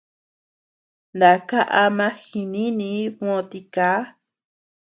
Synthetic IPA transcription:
nd̪a˨ka˦ʔa˧mã˦xi˧nĩ˦nĩ˧˦mõ˧t̪i˧kaː˨˦

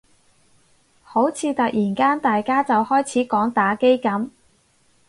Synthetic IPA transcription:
ho˨˥wt͡sʰiː˨˧t̪ɐ˨k̚jʔiː˨˩nkaː˥nt̪aː˨jkaː˥t͡sɐ˨whɔː˥jt͡sʰiː˨˥kɔː˨˥ŋt̪aː˨˥ke˥jkɐ˨˥m

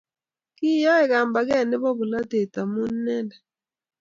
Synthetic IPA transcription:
ki˦jɔ˦ɛ˨ɣa˨mba˨ɣɛ˦˨nɪ˦βɔ˦βʊ˨la˦te˨ta˨mu˦nːɛ˦da˨

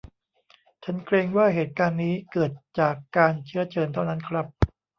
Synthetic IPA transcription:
t͡ɕʰa˦˥nkʰɾeː˧ŋwaː˥˩ɦeː˨˩t̪̚kaː˧nːiː˦˥kɤː˨˩t̪̚t͡ɕaː˨˩kːaː˧nt͡ɕʰɯ˦˥ɐt͡ɕɤː˧nt̪ʰa˥˩wna˦˥nkʰɾa˦˥p̚

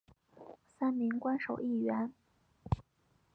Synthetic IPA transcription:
sa˥nmi˧˥ŋkwa˥nʂo˨˩ʊi˥˩ɥɛ˧˥n

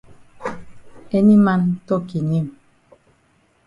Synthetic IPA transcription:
e˦ni˦ma˦ntɔ˦˨ki˨ɲi˦˨m

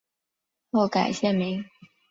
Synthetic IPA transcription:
o˥˩ʊka̰˨˩ɪɕjɛ˥˩mi˧˥ŋ

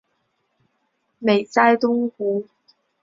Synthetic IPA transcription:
me˨˩jt͡saː˥jt̪ʊ˥ŋkuː˨˥

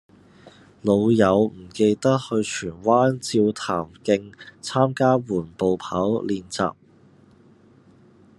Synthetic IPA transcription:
lo˨˧wjɐ˨˧wm̩˨˩ke˧jt̪ɐ˥t̚hɵ˧ɥt͡ʃʰyː˨˩nwaː˥nt͡siː˧wt̪ʰaː˨˩mkɪ˧ŋt͡sʰaː˥mkaː˥wuː˨˩npo˨˧wpʰaː˨˥wliː˨˧nt͡sa̰ː˨p̚

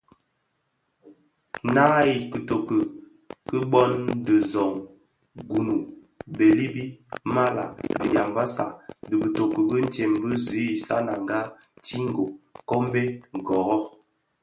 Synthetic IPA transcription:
na˦i˨kə˨to˨kə˨ | kə˦bɔ˦ndə˨zɔ˨ŋ | ɡu˨nu˨ | be˨li˦bi˦ma˦la̰˨bi˨ja˨mba˦sa̰˨də˨bə˨to˨kə˨bə˦n̩˦tɛ˨mbə˦zi˨˦i˨sa˦na˨ŋɡa˦ti˦ŋ˦ɡo˨kɔ˦m˦be˦ɡɔ˨ɣɔ˦

